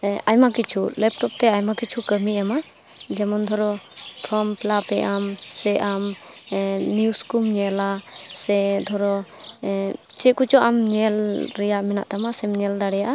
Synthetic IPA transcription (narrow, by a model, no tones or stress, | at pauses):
ajmakit͡ʃʰulɛp̚ʈɔp̚t̪ɛajmakit͡ʃʰukəmiama | d͡ʒɛmɔnd̪ʱɔɾɔpʰɾɔmplapɛʔamsɛʔam | niuskumɲɛlasɛd̪ʱɔɾɔ | t͡ʃɛkut͡ʃɔʔamɲɛlɾɛjaʔmɛna̰ʔt̪amasɛmɲɛld̪aɽɛjaʔa